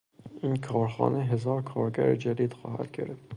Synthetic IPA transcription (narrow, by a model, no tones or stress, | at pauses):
inkʰɒːɾxɑ̰ːneɦezɑːɾkʰɑːɾɡæɾd͡ʒæd̪id̪̥xɑ̰ːhæ̰d̪̥ɡʲḛɾd̪